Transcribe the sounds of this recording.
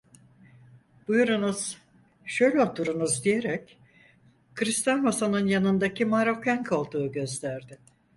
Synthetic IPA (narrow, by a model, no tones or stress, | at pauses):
b̥ujuɾunuz̥ | ʃø̞jlʲɛo̞t̪ʰuɾunuzd̪ije̞ɾɛc | kɯɾist̪janβasanɯnjanɯnd̪acʰimaɾo̞kaŋkʰolˠd̪uːɟø̞zlæɾd̪ɪ